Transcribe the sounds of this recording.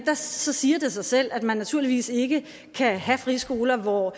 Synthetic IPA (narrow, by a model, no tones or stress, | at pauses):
d̥ɑ̈sɒ̽siːɐd̥e̝sɑ̈ɪsel̰æd̥mænːæt͡sʰuɐliʋḭːse̝ɡ̥ə | kʰæɦæfʁisɡ̥o̝ːlɐʋɒ